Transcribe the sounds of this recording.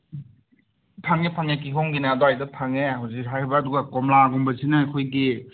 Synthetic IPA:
pʰaŋepʰaŋek̬ikʰɔŋɡinadɔajdɯpʰaŋehawzik̚sajbaːduɡakɔmlaːɡɔmbɐzinaajkʰɔjɡi

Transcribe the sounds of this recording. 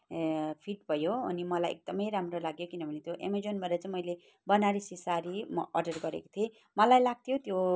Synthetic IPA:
pʰiʈbʱʌjoʌnimʌlajḛk̚d̪ʌmʌjɾamrolaɡjokinʌbʱʌnet̪joʔḛmed͡zonbʱʌɾat͡sãmʌjle | bʌnaɾisisaɾimʌʔʌrɖʌrɡʌɾḛko̥t̪ʰie | mʌlajlaɡ̚t̪ʰjot̪jo

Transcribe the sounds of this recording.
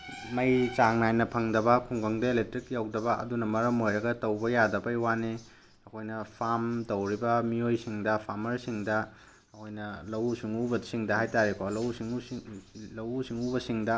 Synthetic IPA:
mɐjt͡ʃaŋnajnɐpʰɐŋdɐbɐkʰuŋɡɐŋdɐelek̚tɾikjawdɐbɐʔɐ̰dunɐmɐɾɐmojɾɐɡɐtɐwbɐjadɐbɐjwane | ɐkʰojnɐpʰamtɐwɾibɐmiojsiŋdɐpʰamɐɾsiŋdɐ | ɐkʰojnɐlɐwsiŋubɐsiŋdɐhajtaɾikʰolɐwsiŋu | lɐwsiŋubɐsiŋdɐ

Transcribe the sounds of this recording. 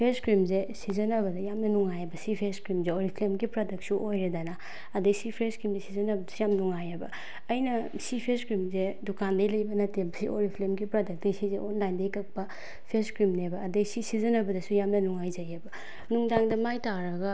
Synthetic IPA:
pʰeskɾimzesizɐnɐbɐdɐjamnɐnuŋajɐbɐsipʰeskɾimzeoɾipʰlemɡipɾadɐk̚t̚suʔojɾedana | ɐdejsipʰɾeskɾimzesizɐnɐbɐdɐsujamnuŋajebɐ̰ː | jnɐ | sipʰeskɾimzedukandɐjlɐjbɐnɐtemsioɾipʰlemɡipɾadɐk̚desizeʔonlajndɐjkɐk̚pɐ | pʰeskɾimnebɐːdejsisizɐnɐbɐdɐsujamnɐnuŋajzɐjebɐ | nuŋdaŋdɐmajtaɾɐɡɐ

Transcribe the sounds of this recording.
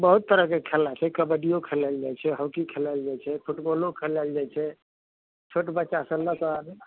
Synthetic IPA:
bəɦut̪ːəɾəɦkekʰelːat͡ʃʰɛkəbəɖijokʰelald͡ʒajt͡ʃʰɛɦəwkikʰelald͡ʒajt͡ʃʰɛpʰuʈbolokʰelald͡ʒat͡ʃʰɛ | t͡ʃʰoʈbətːʃasə̃ləkəne

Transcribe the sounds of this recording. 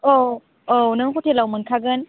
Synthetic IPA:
o | onɯŋkʰotʰelawmɯnkʰaɡɯn

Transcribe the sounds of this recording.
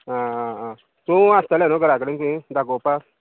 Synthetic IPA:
aa | soastalanoɡaɾaɡikidaɡopa

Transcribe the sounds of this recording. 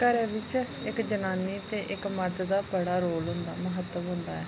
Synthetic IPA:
kəɾeːʋɪt͡ʃ | ɪkd͡ʒənaːniːt̪eːʔɪkməɾt̪d̪aːbəɽaːɾoːlɦʊ̃nd̪aːməɦət̪ːəmɦʊ̃nd̪a̰ːɛː

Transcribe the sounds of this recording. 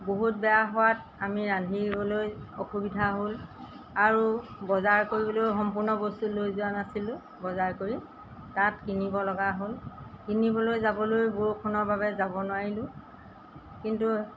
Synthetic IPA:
boɦut̚bɛjaɦɔwat | amiɹandʱibɔlojɔxubidʱaɦol | aɹubɔzaɹkoɹibɔlojxɔmpuɹnɔbostulojzʊanasilʊ̃ | bɔzaɹkoɹi | tatkinibɔlɔɡaɦolkinibɔlojzabɔlojbuɹkʰɔnɔɹbaβɛzabɔnʊwaɹilʊ̃ | kintu

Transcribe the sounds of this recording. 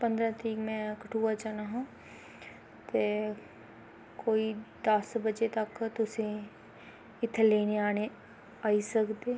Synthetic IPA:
pə̃nd̪ɾãt̪iːkmɛ̃kəʈʰuːat͡ʃaːnaɦã | t̪e | koːid̪ɐsbəd͡ʒet̪ɐkt̪ʊse | ɪt̪ʰːeleːneaːne | aːisəkd̪eː

